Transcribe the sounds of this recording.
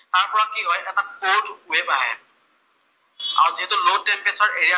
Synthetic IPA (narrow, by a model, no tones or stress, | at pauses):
taɹpɔɹakiɦɔjʔɛtakodwebaɦɛ̰ | a̰ɹuziɦɛtʊlotɛmpɛsaɹʔeɹija